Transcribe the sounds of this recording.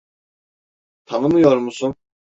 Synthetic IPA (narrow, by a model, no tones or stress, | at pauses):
t̪ʰanɯmɯjoɾmusun